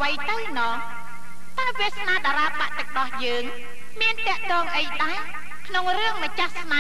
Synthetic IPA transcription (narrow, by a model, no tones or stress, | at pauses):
ʋəjt̪ɨwnɑː | t̪aɛʋiəsnaːɗaːɾaːpaʔt̪ɨ̆ək̚ɗɑhjəːŋ | miənt̪ɛ̆əʔt̪ɔːŋʔəjɗ̪aɛ | kʰnoŋrɨəŋmət͡ɕahsna